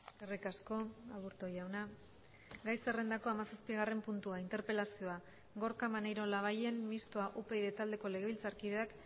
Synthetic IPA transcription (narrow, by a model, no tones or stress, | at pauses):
erikasko̞aβuɾt̪o̞jawna | ɡajse̞re̞nd̪ako̞amasaspiɣare̞mpunt̪uaint̪e̞ɾpe̞lasio̞a | ɡo̞ɾkamanejɾo̞laβ̞aje̞nmist̪oaʔupe̞iðe̞t̪ald̪e̞ko̞le̞ɣilt͡saɾkiðe̞ak